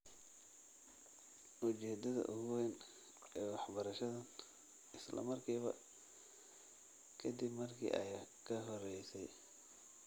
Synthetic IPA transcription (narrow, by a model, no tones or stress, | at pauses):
ʔʊt͡ʃɛːd̪ɐðɐ̰ʔʊɣwɛn | ɛːwɑħbɐɾɐʃɐðɐn | ɪslɐ̰mɐrkʰiːβɐ̰ | kʰɐd̪ɪbmɐrkʰḭːʔɐjkʰɐɦɔrɛjsɛj